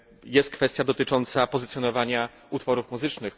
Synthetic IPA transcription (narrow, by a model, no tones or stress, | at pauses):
jɛst̪̚kfɛst̪ʲjad̪ɔt̪ɘt͡ʂɔnt̪sapɔzɘt̪sjɔnɔvaɲa | ut̪fɔɾufmuzɘt͡ʂnɘx